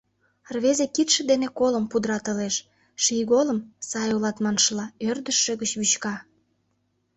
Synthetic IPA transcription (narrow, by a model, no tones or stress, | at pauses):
rβezekit̪ʃĕd̪enekoləmpud̪ɾɑt̪ə̆leʃ | ʃijɣoləmsɑjolɑt̪mɑnʃəlɑørd̪əʃːĕɣət͡ɕβyt͡ɕkɑ